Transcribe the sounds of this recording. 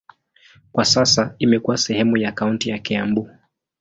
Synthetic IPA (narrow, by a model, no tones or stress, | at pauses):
kwasasaimɛkuwasɛhɛmujakauntijakɛambu